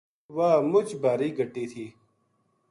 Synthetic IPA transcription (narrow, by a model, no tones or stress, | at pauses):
waːmʊt͡ɕbaːɾiːɡʱɐʈːiːt̪ʰiː